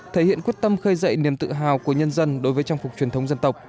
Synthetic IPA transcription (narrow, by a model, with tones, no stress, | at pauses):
t̪ʰe˧˩hḭ˧˨ənkwi˦˥ət̚t̪ə˧mxə˧jzə̰˧˨jni˨˩əmt̪ɨ̰˧˨ɦaː˨˩wku˧˩əɲə˧nzə˧nɗo˨˦jvəː˨˦jt͡ɕaː˧ŋfʊ˨˩k͡p̚t͡ɕwi˨˩ənt̪ə˨˦wŋ͡mzə˧nt̪ə˨˩wk͡p̚